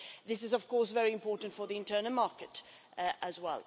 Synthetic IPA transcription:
ðɪsɨzəv̥kʰɔɹs̬vɛɹiɨ̃mpʰɔɹʔn̩tfəðiɨ̃ntʰɜːnəl̩ˠmɑɹkɨt | ʔəzwɛ̰lˠ

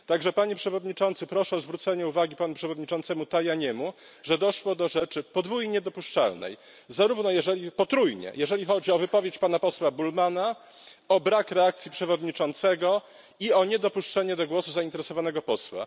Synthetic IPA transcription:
t̪aɡʐɛpaɲɛpʂɛvɔd̪ɲit͡ʂɔnt̪sɘpɾɔʂɛɔzvɾut̪sɛɲɛuvaɡʲipanupʂɛvɔd̪ɲit͡ʂɔnt̪sɛmut̪ajaɲɛmu | ʐɛd̪ɔʂwɔd̪ɔʐɛt͡ʂɘpɔd̪vujiɲɛd̪ɔpuʂt͡ʂa̰lnɛ̰j | zaɾuvnɔjɛʐɛlʲipɔt̪ɾujɲɛ̰jʔɛʐɛlʲixɔd͡ʑiɔvɘpɔvʲjet͡ɕpanapɔswabulmana | ɔbɾakɾɛak̚t̪sʲjipʂɛvɔd̪ɲit͡ʂɔnt̪sɛɡɔ | iɔɲɛd̪ɔpuʂt͡ʂɛɲɛd̪ɔɡwɔsuzaint̪ɛɾɛsɔvanɛɡɔpɔswa̰

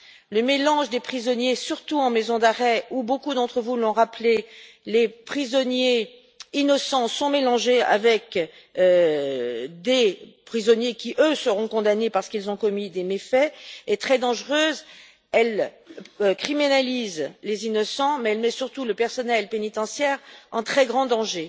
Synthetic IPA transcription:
ləmelɑ̃ʒd̪epχizɔnjesyʁt̪uɑ̃mezɔ̃d̪aʁɛubokud̪ɑ̃t̪χəvulɔ̃ʁaple | lepχizɔnje | inɔsɑ̃sɔ̃melɑ̃ʒea̰vɛk | ø | d̪epχizɔnjekʲiʔøsəʁɔ̃kɔ̃d̪anepaʁsə̥kilzɔ̃kɔmid̪emefɛːt̪χɛd̪ɑ̃ʒʁøːz | ɛl | kχiminalizlezinɔsɑ̃mɛɛlmɛsyʁt̪uləpɛʁsɔnɛlpenit̪ɑ̃sjɛʁɑ̃t̪χɛɡʁɑ̃d̪ɑ̃ʒe

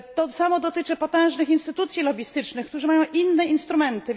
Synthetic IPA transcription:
t̪ɔsamɔd̪ɔt̪ɘt͡ʂɘpɔt̪ɛ̃w̃ʐnɘxinst̪ɘt̪ut̪sʲjilɔbʲist̪ɘt͡ʂnɘxkt̪uʐɘmajɔ̃w̃ʔinːɛinst̪ɾumɛnt̪ɘ

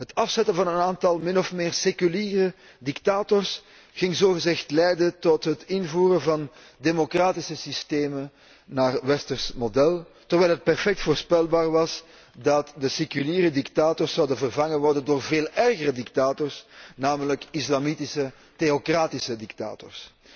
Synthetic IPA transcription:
ɦətɑfsɛtənvɑnənaːntɑlˠmɪnɔfmɪːrsekyliːrə | diktaːtɔrs | ɣɪŋzoːɣəzɛxtlɛjdəntɔtɦətɪnvuːɾəvɑn | demokraːtisəsisteːmə | naːrʋɛstərsmodɛlˠ | tɔʋɛːlˠɦət̚pɛrfɛk̚tfoːrspɛlˠbaːrʋɑs | dɑtdəsekyliːɾədiktaːtɔrsːɑwdənvərvɑŋəʋɔrdəndoːrveːlˠɛrɣəɾədiktaːtɔrsnaːmələkɪslɑmitɪsə | teokraːtɪsədikta̰ːtɔ̰rs

